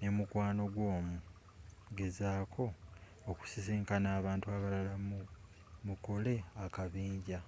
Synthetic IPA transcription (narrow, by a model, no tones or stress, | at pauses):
ne̞mukwaːno̞ɡwo̞ːmu | ɡe̞zaːkʰo̞ː | ku̥sisiːŋkanaːβaːntuaβalalamu | mukole̞akaβiːɲɟa